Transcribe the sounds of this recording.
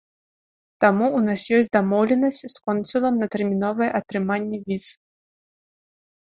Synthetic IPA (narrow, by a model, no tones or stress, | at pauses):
t̪amuːnasjɔsʲtʲd̪amɔwlʲɛnɐsʲt͡sʲskɔnsulˠɐmnɐt̪ɛrmʲinɔvɨjɛʔɐt̪ɾɨmanʲːɛvʲis